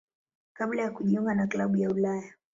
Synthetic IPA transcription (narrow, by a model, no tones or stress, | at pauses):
kaɓlajakuʄiɔmɡanaklaɓujaulaja